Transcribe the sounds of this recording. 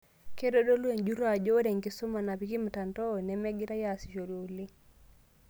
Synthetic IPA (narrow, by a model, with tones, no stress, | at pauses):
ke˦do˦do˦lu˦e˨nd͡ʒu˦ɾa˨d͡ʒo˦ɾe˨ŋki˨su˦ma˨na˨pi˨˦ki˦m˨ta˨nto˦˨nɛ˨˦mɛ˦ɡi˦ɾa˦ja˨si˨ʃo˨ɾjo˨li˦